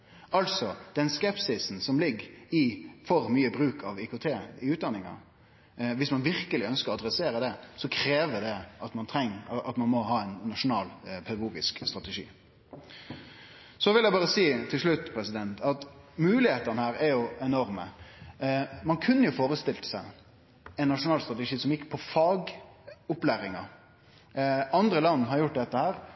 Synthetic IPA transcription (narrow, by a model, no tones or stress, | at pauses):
ɑlsɔd̪̥ɛnskɛpsɪsn̩sɔmlɪɡːɪfɔɾmyːəbɾʉːkʰɑʋikʊt̪ʰeːɪʉːt̪̚d̪ɑnːɪŋɑ̰ | ʋɪsmɑnʋɪɾkəlɪœnskəɾɔɑd̪ɾɛseːɾəd̪ɛsɔkʰɾeːʋəd̪ɛɑt̪mɑnt̪ʰʁɛŋːɑt̪mɑnmɔɦɑːɛɪnːɑʂʊnɑːlpʰɛd̪ɑɡuːɡɪskst̪ɾɑt̪əʂḭː | sɔʋɪljæɪbɑːɾəsiːt̪ʰɪlʂɭʉt̪ːpʰɾɛsɪd̪ɛnt̪ʰɑt̪mʉːlɪheːt̪ɑnəhæːɾæɾjʊɛnɔɾmə | mɑnkʰʉnːəjʊfoːɾəst̪ɪlt̪ə̥sæɪ | ɛnːɑʂʊnɑːlst̪ʁɑt̪əʂiːsɔmjɪkːə̥pʰɔfɑːɡʊplæːɾɪŋɑ | ɑnd̪ɾəlɑnːhɑɾjʊʈ̚ːd̪ɛt̪ːəhæːɾ